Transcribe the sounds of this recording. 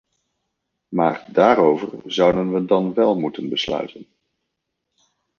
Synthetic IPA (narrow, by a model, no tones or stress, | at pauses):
ma̰ːɹdaːɾowvəɹzʌwdənʋədɑnʋɛlˠmutənbəslœ̰ɥtən